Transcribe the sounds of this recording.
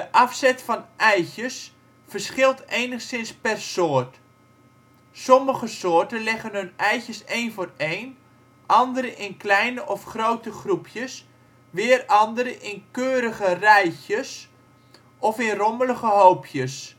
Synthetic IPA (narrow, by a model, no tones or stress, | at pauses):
dəʔɑfsɛtfɑnʔɛjçəs | fərsχɪlˠtejnəχsɪnspɛrsoərt | sɔməɣəsoːrtənlɪɣənɦɵnɛjçəsejnfʊːrejn | ʔɑndəɾəʔɪnklɛjnəʔɔfχrowtəχrupʰjəs | ʋɪərɑndəɾəʔɪnkøːɾəɣərɛjçjəs | ʔɔfɪnrɔmələɣəɦowpʰjəs